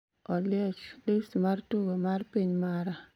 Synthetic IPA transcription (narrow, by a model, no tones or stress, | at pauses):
ɔlɪɔt͡ʃlistmartuɡomarpiɲmaɾa